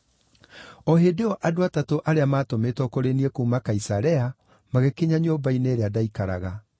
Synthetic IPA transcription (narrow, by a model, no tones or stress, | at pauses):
ɔɦeːdeɔʔadoatatoʔaɾeamaːtometɔkoɾeniekomakaisaɾɛa | maɣekeɲaɲoːbaineːɾeadaikaɾa̰ɣa